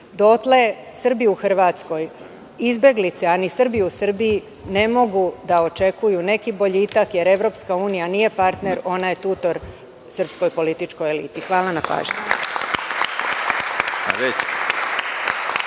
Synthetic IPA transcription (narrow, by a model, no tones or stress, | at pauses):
d̪o̞t̪le̞ | sr̩biuxr̩ʋaːt̪sko̞j | izbe̞ɡlit̪se̞anisr̩biusɨr̩bii | ne̞mo̞ɡud̪ao̞t͡ʃe̞kujune̞kibo̞ʎit̪akje̞ɾe̞ʋɾo̞pskauːnijanije̞paɾt̪ne̞ɾo̞naje̞t̪uːt̪o̞ɾ | sr̩psko̞jpo̞lit̪it͡ʃko̞jelḭːt̪ixʋaːlˠanapa̰ːʒɲi | a̰ʋet͡ɕ